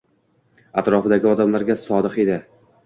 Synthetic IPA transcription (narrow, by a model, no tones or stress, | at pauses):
at̪ɾɒfɪd̪aɡʲɪɒd̪amlaɾɡʲasɒd̪ɨqe̞d̪ɪ